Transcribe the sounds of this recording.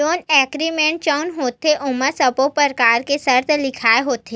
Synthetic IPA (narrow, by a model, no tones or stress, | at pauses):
oːnɛːkɾimẽːɳʈ̚t͡ʃənɦoːt̪eʔʊməsɐpopəɾkaːɾkesɐɾt̪ʰlɪkʰaːeɦoːt̪eː